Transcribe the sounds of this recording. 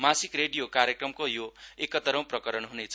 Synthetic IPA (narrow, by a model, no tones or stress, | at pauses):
masikreɽijokaɾjekrʌmkojoekʌt̪ʌɾʌ̃w̃prʌkʌɾʌnɦunet͡sʰ